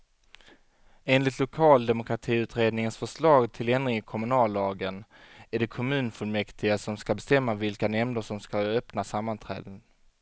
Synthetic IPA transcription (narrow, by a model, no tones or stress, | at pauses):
eːnlɪt̪lʊkʰɑːld̪ɛmʊkɾat̪ʰiːʉ̟ːt̪ɾeːd̪nɪŋənsfœʂlɑːɡt̪ʰɪlɛnd̪ɾɪŋkʰɔmɵnɑːlːɑːɡənæɖɛkʰɔmʉ̟ːnfɵlmɛkt̪ʰɪɡasɔmskabɛst̪ɛmːavɪlkanɛmnəʂɔmskaœpnasamːant̪ʰɾɛ̰ːd̪ən